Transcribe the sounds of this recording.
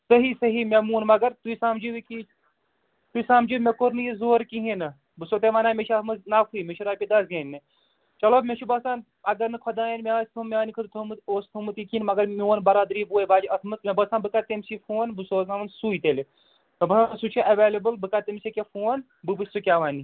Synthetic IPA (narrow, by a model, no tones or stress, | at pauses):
sɐɦisɐɦimemuːnmɐɡɐɾt̪uisaːmd͡ʒiʋiki | t̪uisaːmd͡ʒimekoɾnɨjizoːɾkiɦĩnɨ | bɨsoːt̪eʋaːnaːmeʃʰɐt̪mɨnafʰuimeʃʰuɾaːpʲid̪ɐsjeːnʲːɨ | t͡ʃɐloːmʲeʃʰubɐsãːn | ɐɡɐɾnɨkʰɔd̪aːjenmʲeɐsʲt̪ʰumeɐːnikʰɨt̪ɨt̪ʰumɨt̪oːst̪ʰɐmɨt̪ikʰinmɐɡɐɾmiʋɐnbɐɾaːd̪ɾiːbuːjbaːd͡ʒiɐt̪ʰmɨt̪mebɐsãːnbɨkat̪emsifʰuːnbɨsoːzaʋɐnsuːit̪el | mʲɐbɐsaːsut͡ʃʰiʔɐʋeːlɐbɨlbɨkat̪emsikʲefuːn | bɨbɨsʲsukʲaːʋaːni